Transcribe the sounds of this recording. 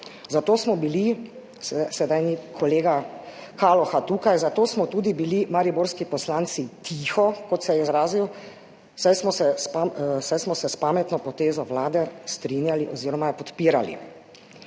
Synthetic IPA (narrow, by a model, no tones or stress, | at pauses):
zat̪oːsmɔbili | ssɛd̪ajnikʰɔleːɡakalɔxat̪uːkajzat̪oːsmɔt̪uːd̪ibilimaɾiboɾskipɔslaːnt̪sit̪ʰiːxɔkɔt̪sɛjɛizɾaːziw | sajsmɔsɛspasajsmɔsɛspaːmɛt̪nɔpɔt̪eːzɔwlaːd̪ɛst̪ɾinjaliʔɔziːɾɔmapɔt̪piːɾalḭ